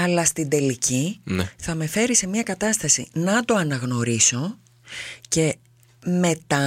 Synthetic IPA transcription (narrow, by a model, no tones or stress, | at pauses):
ɐlɐst̪ind̪e̞licinθɐme̞fe̞ɾise̞miɐkɐt̪ɐst̪ɐsḭnɐd̪o̞ɐnɐɣno̞ɾiso̞ | ce̞ | me̞t̪ɐ